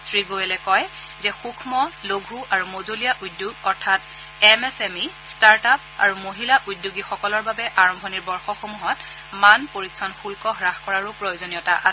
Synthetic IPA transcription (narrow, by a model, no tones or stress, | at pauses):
sʰɹiɡoɛlɛkɔj | zɛxukʰmɔloɡʱuʔaɹumozolijaʔudjuɡɔɹtʰat | ɛmɛsɛmistaɹtap̚a̰ɹumoɦilaʔudjuɡixɔkɔlɔɹbabɛʔaɹɔmbʱɔniɹbɔɹxɔxomuɦɔt | manpoɹikʰːjɔnxulkɔɦɹaxkɔɹaɹʊpɹojozonijɔtaʔas